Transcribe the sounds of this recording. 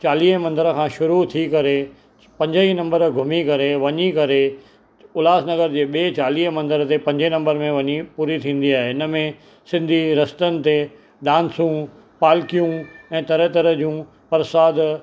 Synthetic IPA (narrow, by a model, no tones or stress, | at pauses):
t͡ɕaːliːɦmɐ̃nd̪əɾəkʰãːʃʊɾut̪ʰikɐɾe | pɐ̃ɲd͡ʑəinɐ̃mbəɾɡʱʊmikɐɾeʋɐɲikɐɾe | ʊlaːsnɐɡəɾd͡ʑeːɓieːt͡ɕaːliːɦəmɐ̃nd̪əɾət̪epɐ̃ɲd͡ʑinɐ̃mbəɾmẽʋɐɲipuːɾit̪ʰĩːn̆d̪iaːɦeɪnəmẽ | sɪ̃nd̪ʱiɾɐst̪ənɪ̆t̪e | ɗãːnsũ | paːlkijũɛ̃ːt̪ɐɾət̪əɾəd͡ʑũː | pɐɾsaːd̪